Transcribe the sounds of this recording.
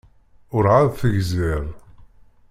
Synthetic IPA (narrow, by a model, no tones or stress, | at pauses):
ʊɾʕaðθəʝzɪɾˤ